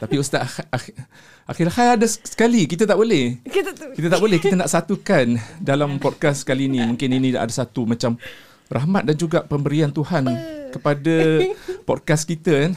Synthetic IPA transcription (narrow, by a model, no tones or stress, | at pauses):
t̪apiust̪aʔ | ʔaxilahajadassə̥kalikit̪ət̪aʔbolɛhk̪kit̪ət̪aʔbolɛhkit̪ənaʔsat̪ukandalampɔd̚kassə̥kaliːnĩmũŋkɪninĩʔa̰dasat̪umãt͡ʃam | rʔaɦmat̪̚dand͡ʒuɡaʔpəmbəɾiant̪uhankəpadapɔd̚kaskit̪əan